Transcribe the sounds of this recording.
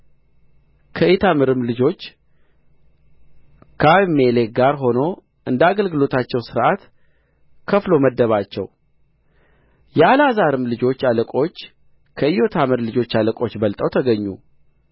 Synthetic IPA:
kʰəet̪ʰamɨɾɨmlɨd͡ʒo̞t͡ʃː | kʰameleɡaɾɦo̞no̞ | ʔɨnd̪aɡəlɡɨlo̞t̪ʰat͡ʃːɛwsɨɾʔat̪ | kʰəflo̞məd̪ːəβat͡ʃːɛ̰w | jɛalazaɾɨmlɨd͡ʒo̞t͡ʃːaləkʼo̞t͡ʃː | kʰəɪjo̞t̪ʰamɨɾlɨd͡ʒo̞t͡ʃːaləkʼo̞t͡ʃːbəlt̪ʼəwt̪ʰəɡəɲːṵ

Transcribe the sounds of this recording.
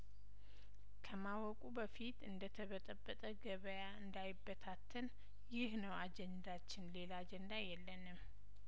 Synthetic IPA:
kʰəmawɔkʼubəfit̪ɨnd̪ət̪ʰəβət̪ʼəbːət̪ʼəɡəβəjaɨnd̪ajɪbːət̪ʰat̪ʰːən | jɪhnəwad͡ʒɛnd̪at͡ʃːɪnle̞lad͡ʒɛnd̪ajɛlːənɨm

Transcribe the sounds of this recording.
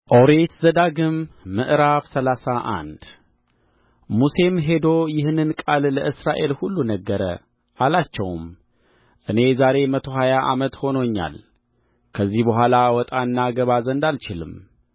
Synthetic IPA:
ʔo̞ɾe̞t̪zəd̪aɡɨmːɨʔɾafsəlasaʔa̰nd̪ | muse̞mɦe̞d̪o̞jɪhnɨnkʼalːəʔɨsɾaʔe̞lhulːunəɡːəɾə̰ | ʔalat͡ʃːɛ̰wm | ʔɨne̞zaɾe̞mət̪ʰo̞ɦajaʔamət̪ho̞noɲːa̰l | kʰəzːihbəɦʷalawɔt̪ʼanːaɡəβazənd̪alt͡ʃɪlɨ̰m

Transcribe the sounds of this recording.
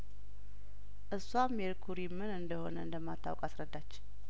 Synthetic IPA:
ʔɨsːwamːeɾkʰuɾimːɨnɨnd̪əho̞̰nəɨnd̪əmːat̪ʰːa̰wkʼasɾəd̪ːat͡ʃː

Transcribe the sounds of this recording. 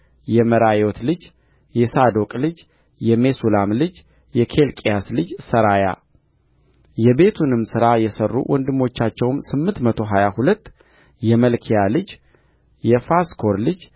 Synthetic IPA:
jɛməɾajo̞t̪lɨd͡ʒ | jɛsad̪okʼlɨd͡ʒ | jɛmesulamlɨd͡ʒ | jɛkʰe̞lkʼijaslɨd͡ʒsəɾaja̰ | jɛbe̞t̪ʰunɨmsɨɾajɛsərːṵwʔɔnd̪ɨmːo̞t͡ʃːat͡ʃːɛwmsɨmːɨnt̪mət̪ʰo̞ɦajahulət̪ː | jɛməlkʰijalɨd͡ʒ | jɛfaskʰo̞ɾlɨd͡ʒ

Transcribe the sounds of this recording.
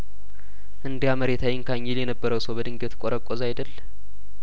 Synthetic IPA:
ʔɨnd̪ijaməɾet̪ʰajɪŋkʰaɲːɪljɛnəbːəɾəwsəwbəd̪ɨŋɡet̪kʼoɾʔəkʼːozajd̪əlː

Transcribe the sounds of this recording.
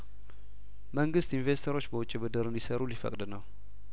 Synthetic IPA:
məŋɡɨst̪invest̪ʰoɾo̞t͡ʃːbəwʊt͡ʃʼːibəd̪əɾɨnd̪isəɾulifə̰kʼd̪ɨnəw

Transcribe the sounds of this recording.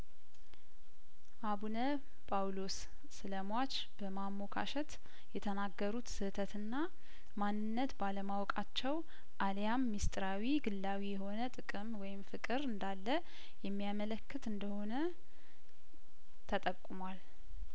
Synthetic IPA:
ʔaβunə | pʼawlosː | ɨləmwat͡ʃ | b̥əmamːo̞kʰa̰ʃɛt̪ | jɛt̪ʰənaɡːəɾut̪sɨt̪ʰət̪ɨnːa | manːɨnːət̪baləmawkʼat͡ʃːɛw | ʔaljamːist̪ʼɨɾawiɡɨlːawijɛho̞nət̪ʼɨkʼɨmwɔjɪmfɨkʼɨɾɨnd̪alːə | jɛmːijamələkːɨt̪ɨnd̪əho̞nə | t̪ʰət̪ʼəkʼːumwal

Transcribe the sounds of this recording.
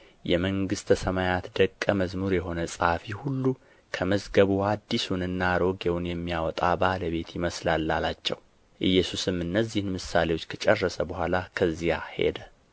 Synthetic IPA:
jɛməŋɡɨst̪ʰəsəmajat̪d̪əkʼːəməzmuɾjɛɦo̞nəsʼəhafihulːu | kʰəməzɡəβuad̪ːisunɨnːaɾo̞ɡewʊnjɛmːijawɔt̪ʼabaləβe̞t̪jɪməslalːalat͡ʃːɛ̰w | ʔɨjːɛsusɨmɨnːəzːihɨnmɨsalewot͡ʃːkʰət͡ʃʼɛrːəsəbəhʷalakʰəzːijahe̞̰d̪ə

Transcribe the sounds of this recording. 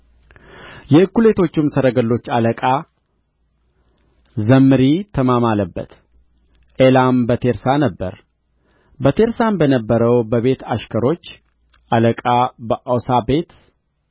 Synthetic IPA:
jɛɨkːule̞t̪ʰo̞t͡ʃːumsəɾəɡəlːo̞t͡ʃːaləkʼa | zəmːɨɾit̪ʰəmamaləbːə̰t̪ | ʔelambət̪ʰe̞ɾsanəbːə̰ɾ | bət̪ʰe̞ɾsambənəbːəɾəwbəβe̞t̪ʰaʃkʰəɾo̞t͡ʃː | ʔaləkʼabəʔawsabe̞t̪

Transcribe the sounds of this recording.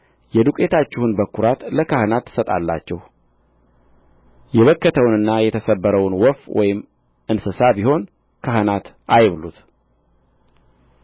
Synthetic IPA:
jɛd̪ukʼe̞t̪ʰat͡ʃːɪhunbəkːuɾat̪ləkʰahənat̪ːɨ̥sət̪ʼa̰lːa̰t͡ʃːɛh | jɛβəkːət̪ʰəwnɨnːajɛt̪ʰəsəbːəɾəwnwɔfwɔ̰jɪm | ɨnsɨsabiho̞n | kʰahənat̪ | ʔajβlṵt̪

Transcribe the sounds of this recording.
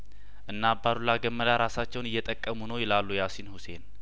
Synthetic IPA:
ʔɨnːabaɾulaɡəmːəd̪aɾasat͡ʃːɛwnɨjːɛt̪ʼəkʼːəmunəwjɛlalːujasinhuse̞n

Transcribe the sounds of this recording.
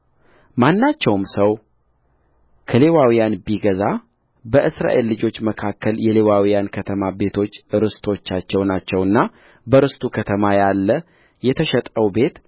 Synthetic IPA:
manːat͡ʃːɛwmsəw | kʰəle̞wawijanbiɡəza | bəʔɨsɾa̰ʔe̞lːɨd͡ʒo̞t͡ʃːməkʰakːəljɛle̞wawijankʰət̪ʰəmabe̞t̪ʰo̞t͡ʃːɨɾɨst̪ʰo̞t͡ʃːat͡ʃːɛwnat͡ʃːɛwɨnːa | bəɾɨst̪ʰukʰət̪ʰəmajalːə | jɛt̪ʰəʃɛt̪ʼəwbe̞t̪

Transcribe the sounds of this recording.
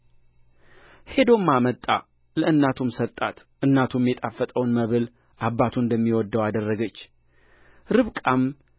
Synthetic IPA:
he̞d̪o̞mːamət̪ʼa̰ | ləʔɨnːat̪ʰumsəlt̪ʼat̪ | ʔɨnːat̪ʰumjɛt̪ʼafːət̪ʼəwnməβɨl | ʔabːat̪ʰuɨnd̪əmːiwɔd̪ːəwad̪ərːəɡət͡ʃː | ɾɨβkʼam

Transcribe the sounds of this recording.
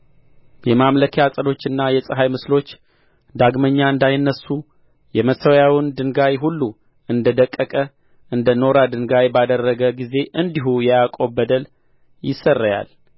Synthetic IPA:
jɛmamləkʰjasʼəlo̞t͡ʃːɨnːajɛsʼɨɦajmɨslo̞t͡ʃː | d̪aɡməɲːaɨnd̪ajnːəsːu | jɛməsəwjawɨnd̪ɨŋɡajɦulːu | ɨnd̪əd̪əkʼːəkʼə | ʔɨnd̪əno̞ɾad̪ɨŋɡajbad̪ərːəɡəɡize̞ʔɨnd̪iɦujɛjakʼobəd̪əl | jɪsːərːəja̰l

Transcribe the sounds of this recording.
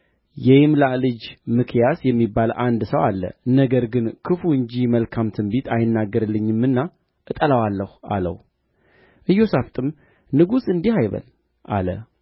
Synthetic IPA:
jɛjmlalɨd͡ʒmɨkʰjasjɛmːibalʔand̪səwalːə̰nəɡəɾɡɨnkʰɨfuɨɲd͡ʒiməlkʰamt̪ʰɨmbit̪ʰajɪnːaɡːəɾɨlːɨɲːɨmːɨnːa | ʔɨt̪ʼələwalːəha̰lə̰w | ʔɨjːo̞saft̪ʼɨm | nɨɡusɨnd̪ihajβə̰l | ʔa̰lə̰

